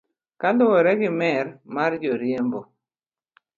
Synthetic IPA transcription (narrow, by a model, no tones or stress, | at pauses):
kandɔwɛɾɛɡɪmɛɾmard͡ʒɔɾjembo